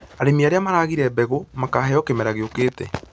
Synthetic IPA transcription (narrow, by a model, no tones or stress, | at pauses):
aɾemiaɾeamaɾaːɣiɾɛbɛɣomakaːhɛɔkemɛɾaɣeokeːtɛ̰